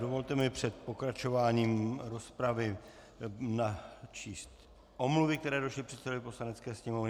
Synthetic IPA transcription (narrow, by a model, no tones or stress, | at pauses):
dovo̞lt̪ɛmɪpr̝̥ɛt̪po̞kɾat͡ʃo̞vaːɲiːmɾo̞spɾavɪ | nat͡ʃiːst̪ | ʔo̞mluvɪk̚t̪ɛɾɛːdoʃlɪpr̥ɛt̪sɛdovɪpo̞slanɛt͡skɛːsɲɛmo̞vnɪ